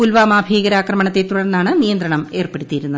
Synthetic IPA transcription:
ulʋaːmaːbʱiːɣɐɾaːkrɐmɐɳɐt̪ːe̞t̪uɽɐnːaːɳɨnijɐnd̪ɾɐɳɐme̞ːrpe̞ɽut̪ːijiɾunːɐð

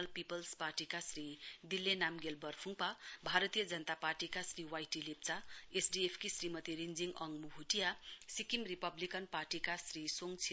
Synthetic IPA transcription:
lpipʌlsparʈikasrid̪ilːenamɡelbʌrpʰuŋpabʱaɾʌt̪ijʌd͡zʌnʌt̪aparʈikasriwajʈilep̚t͡saesɖiepʰkisrimʌt̪iɾind͡ziŋɡʌŋmuɦuʈijasikimripʌblikʌnparʈikasrisoŋt͡sʰi

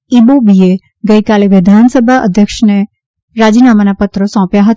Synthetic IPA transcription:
ibobije | ɡɐikaːleʋɪd̪ʱaːnsəbʱaʔɐ̰d̪ʱjəkʃne | ɾaːd͡ʒinaːmənapɐt̪ɾəsɔ̃ːpjaɦɐt̪ʰ

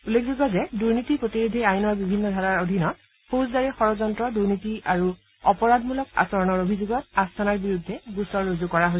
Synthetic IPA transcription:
ulːekʰzuɡɔzɛduɹnitipɹotiɹudʱiajnɔɹbibʱinːɔdʱaɹaɹodʱinɔt̚ | pozdaɹixɔɹɔzɔntɹɔduɹnitiaɹu | ɔpɔɹadmulɔka̰sɔɹɔnɔɹobʱizʊɡɔt̚astʰanɔɹbiɹudʱːɛɡusɔɹɹozukɔɹaɦoj

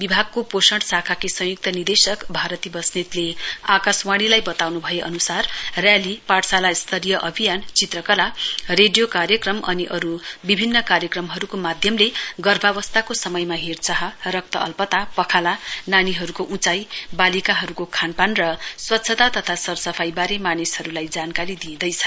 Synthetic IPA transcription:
bibʱaɡ̚koposʌɳʈsakʰakisʌ̃juk̚t̪ʌnird̪esʌkbʱaɾʌt̪ibʌsnit̪leakaswaɽ̃ilajbʌt̪awnubʱʌjeʔʌ̰nusarrjalipaʈsalaist̪ʰʌɾijʌʔʌbʱijant͡sit̪rʌkʌlareɖijokarjʌkrʌmʌniʔʌɾubibʱinːʌkaɾjʌkrʌmɦʌɾukomad̪ʱjʌmleɡʌrbʱabʌst̪akosʌmʌjmaɦert͡saɦʌrʌk̚t̪ʌʌ̰lpʌt̪apʌkʰalananiɦʌɾukoʔũt͡sajbalikaɦʌɾukokʰanpanrʌswʌt̪ːsʰʌt̪at̪ʌt̪ʰasʌrsʌpʰajbaɾemanishʌɾulajd͡zankaɾid̪id̪ʌjt͡sʰʌ

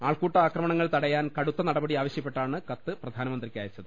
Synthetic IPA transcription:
aːɭkuːʈːɐaːkrɐmɐɳɐŋːɐɭt̪ɐɽɐjaːnkɐɽut̪ːɐnɐɽɐbɐɽiaːʋɐɕjɐpːe̞ʈːaːɳɨkɐt̪ːɨprɐd̪ʱaːnɐmɐnd̪rikʲːaːjɐt͡ɕːɐðɨ

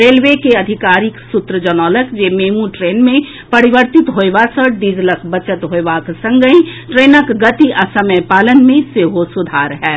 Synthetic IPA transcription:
ɾeːlʋekeɐd̪ʱɪkaːɾɪksʊt̪ɾəd͡ʒənɔːləkd͡ʒeːmeːmuʈɾeːnmẽ | pɐɾiʋəɾt̪ɪt̪ɦoːeʋaːsəɖid͡ʒləkʰbət͡ʃət̪ɦoːeʋaːksə̃ŋɡəĩʈɾeːnəkɡət̪iʔɐsəməjpaːlənmẽseɦosʊd̪ʱaːɾɦɛː

